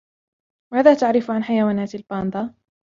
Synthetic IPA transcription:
maːðaːt̪aʕɾɪfʕanħajawaːnaːt̪albɑːnd̪ˤɑ

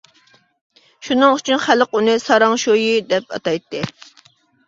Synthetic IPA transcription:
ʃunɨŋyt͡ʃʰynχæləqunɨsɑɾɑŋʃojid̪ɛp̚ɑ̰t̪ɑjt̪ʰːɨ

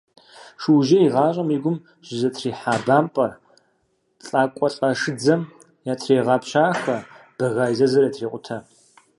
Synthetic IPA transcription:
ʂɨwʒɐiʁɑːɕʷʼɐmiɡʷʊm | ʒ̥ɪzɐtʰriːħaːbaːmpʼɐr | t͡sʼaːkʷʼɔɬʼɐʂɨd͡zɐm | jaːtʰreːʁɑːpʰɕaːxɐb̥ɐɣaːjzɐzɐɾɐtʰreːqʷʼʊtʰɐ

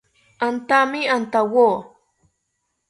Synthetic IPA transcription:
ant̪amɪant̪awoː

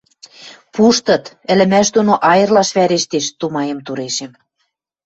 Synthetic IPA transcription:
puʃt̪ɤ̆t̪ | ɘ̆lɘ̆mæʃ̬d̪onoʔɑjɤ̆rlɑʃβæɾeʃt̪eʃt̪umɑjɤ̆mt̪uɾeʃĕm

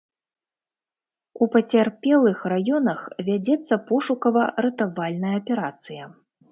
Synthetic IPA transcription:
upɐt͡sʲarpʲɛlˠɨxrajɔnɐxvʲad͡zʲɛt̪sːɐpɔʂukɐvɐɾɛt̪avalʲnɐjɐːpʲɛɾat̪sɨjɐ

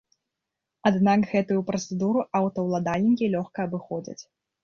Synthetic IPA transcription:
ad̪nakɣɛt̪ujupɾɐt̪sɛd̪uɾuawt̪ɐwlˠad̪alʲnʲikʲilʲɔxkɐːbɨxɔd͡zʲɐ̰t͡sʲ

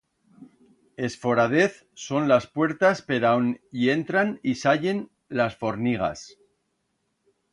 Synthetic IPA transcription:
e̞sfo̞ɾað̞e̞θ | so̞nlaspwe̞ɾt̪aspe̞ðawnie̞nt̪ɾanisaʎe̞n | lasfo̞ɾniɣ̞a̰s

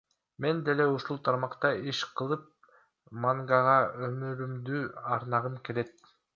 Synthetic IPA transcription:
me̞nd̪e̞le̞uʃulˠt̪ʰɑɾmɑqt̪ɑiʃqʰɯlˠɯp̚ | maŋɡɑʁɑømyɾymd̪yːɑɾnɑʁɯmke̞le̞t̪̚

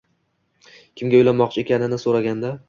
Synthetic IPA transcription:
kʲʰɪmɡʲaojlanmːɒq̚t͡ʃʰɪe̞kʲʰanɪnɪsoɾaɡʲand̪a

